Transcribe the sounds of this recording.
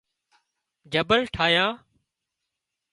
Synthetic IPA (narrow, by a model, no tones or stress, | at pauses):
d͡ʒəbəlʈʰaːjãː